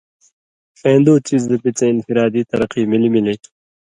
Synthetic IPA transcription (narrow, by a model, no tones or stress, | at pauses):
pẽːnd̪oːt͡sizd̪əpit͡seɪnfiɾɑːd̪it̪ɐɾɐqimilimili